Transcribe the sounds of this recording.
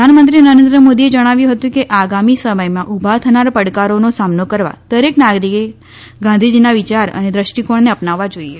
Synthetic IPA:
əanmənt̪ɾinəɾẽnd̪ɾəmod̪ied͡ʒəɽ̃aʋjũɦət̪ũkeʔaɡamisəməjmãʔubʱat̪ʰənaɾpəɽkaɾonosamnokəɾʋa̰d̪̥əɾeknaɡɾike | ɡãnd̪ʱid͡ʒinaʋit͡ʃaɾə̰ned̪ɾəʃʈikoɳneəpnaʋːad͡ʒoie

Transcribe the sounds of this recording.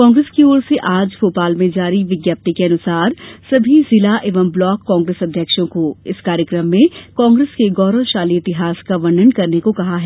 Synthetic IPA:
kɔ̃ːŋɡɾeːskioːɾseʔaːd͡ʒfoːpaːlmẽd͡ʒaːɾiʋɪɡjaːp̚t̪ikeɐnʊsaːɾsɐbʱizɪlaʔeːʋəmblɔːkːɔ̃ːŋɡɾesɐd̪ʱjəkʃõkoɪskaːɾjəkɾəmːẽkɔ̃ːŋɡɾeskeɡɔːɾə̃ʃaːliɪt̪ɪɦaːskaʋɐ̃ɳɖənkɐɾnekokɐɦaɦɛː

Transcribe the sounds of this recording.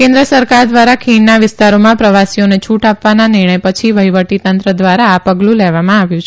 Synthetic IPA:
kẽnd̪ɾəsəɾkaɾd̪ʋaɾakʰiɳnaʋɪst̪aɾomãpɾəʋasijonet͡ʃʰuʈapʋananɪɾɳ̃əjpət͡ʃʰiʋəɦiʋəʈit̪ənt̪ɾəd̪ʋaɾaːpəɡlũlɛʋamãaʋjũt͡ʃʰ

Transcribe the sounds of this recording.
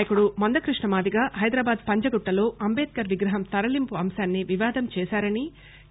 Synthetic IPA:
jɐkuɽumɐnd̪ɐkɾiʂɳɐmaːd̪iɡaːɦɐjd̪ɾaːbaːd̪̚pɐɲd͡ʒɐɡuʈːɐlo̞ːɐmbeːt̪̚kɐɾʋiɡɾɐɦɐmt̪ɐɾɐlimpuɐmsaːnːiʋiʋaːd̪ʱɐmt͡ʃɛːsaːɾɐni

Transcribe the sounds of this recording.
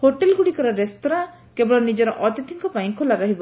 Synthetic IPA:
hoʈelɡʱuɽikɔɾɔɾest̪ɔɾa | kebɔɭɔnid͡ʒɔɾɔʔɔt̪it̪ʰiŋkɔpaj̃ŋkʰolaɾɔɦibɔ

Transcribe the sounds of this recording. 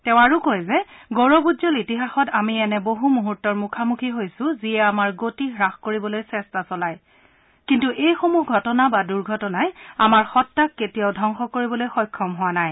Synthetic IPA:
tɛʊ̃aɹukojzɛɡoɹɔbudzɔlitiɦaxɔtamiɛnɛboɦumuɦutːɔɹmukʰamukʰiɦojsʊ̃ziɛamaɹɡotiɦɹaxkoɹibɔlojsɛstasɔlaj | kintuʔejxomuɡʱɔtɔnabaduɹɡʱɔtɔnaja̰maɹxɔtːakːetijaʊdʱɔŋxɔkoɹibɔlojxɔjkʰːɔmɦʊwanaj

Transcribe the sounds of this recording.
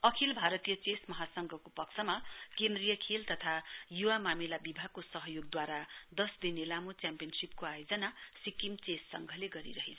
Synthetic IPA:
ʌkʰilbʱaɾʌt̪ijʌt͡sesmʌɦasʌŋɡʱʌkopʌkt͡sʰʌmakend̪rijʌkʰelt̪ʌt̪ʰajuwamamilabibʱakosʌɦʌjoɡ̚d̪waɾad̪ʌsd̪inelamot͡sjampijʌnsip̚koajod͡zʌnasikimt͡sesʌŋɡʱʌleɡʌɾḭɾʌɦit͡sʰ

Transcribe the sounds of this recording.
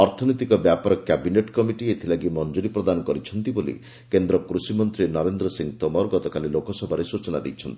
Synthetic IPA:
ɔɾt̪ʰɔnojt̪ikɔbjapɔɾɔkabineʈkɔmiʈiet̪ʰilaɡimɔnd͡ʒuɽipɾɔd̪anɔkɔɾit͡ʃʰɔnt̪ibolḭ | kend̪ɾɔkɾusimɔnt̪ɾinɔɾend̪ɾɔsiŋt̪omɔɾɡɔt̪ɔkalilokɔsɔbʱaɾesut͡ʃɔna̰d̪ejt͡ʃʰɔnt̪ii

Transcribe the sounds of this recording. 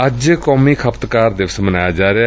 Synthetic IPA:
əd͡ʒkɔːmiːkʰəpt̪kaːɾd̪ɪʋsmənaːjaːd͡ʒaːɾe

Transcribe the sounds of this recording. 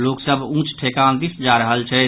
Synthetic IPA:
loksəbʱũt͡ʃʰʈʰekand̪isd͡ʒaɾəɦəlt͡ʃʰɛ

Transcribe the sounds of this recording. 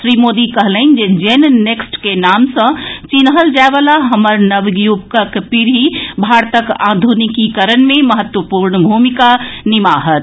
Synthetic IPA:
sɾimod̪ikəɦlənd͡ʒed͡ʒenneksʈkenamsə̃t͡ʃinɦəld͡ʒabəlaɦəməɾnəʋɡjubkəkpiɾɦibʱaɾt̪əka̰d̪ʱunikikəɾənmẽməɦət̪wəpuɾnəbʱumikanimaɦət̪

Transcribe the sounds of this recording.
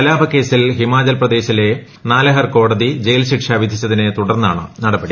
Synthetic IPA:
ɐlaːbʱɐkːe̞ːsilɦimaːd͡ʑɐlprɐd̪e̞ːɕile̞ | naːlɐɦɐrko̞ːɽɐðid͡ʑe̞jlɕiʈʂaʋid̪ʱit͡ɕːɐðinet̪uɽɐrnːaːɳɨ̰nɐɽɐbɐɽi

